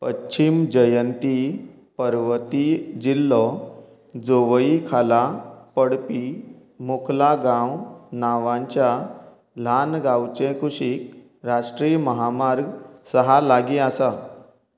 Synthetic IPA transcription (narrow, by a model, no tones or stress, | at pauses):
pəɕʰimd͡ʑəjənt̪i | pəɾʋət̪id͡ʑilːɔ | d͡zoʋəikʰalapəɽpi | mukʰlaɡãwnaʋãɲt͡ɕja | l̤anɡãwt͡ɕẽkʰuɕik̚ | ɾaʂʈɾijəməɦamaɾɡsəɦalaɡiasa